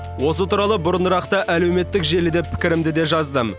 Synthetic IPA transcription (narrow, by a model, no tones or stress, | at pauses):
wo̞s̬ət̪ʰuɾɑlˠəbʊɾənəɾɑqt̪əʔæle̞wme̞t̪ːɪkʒe̞lɪd̪e̞pʰːɪ̥kʲɪɾɪmd̪ɪd̪e̞ʒɑzd̪əm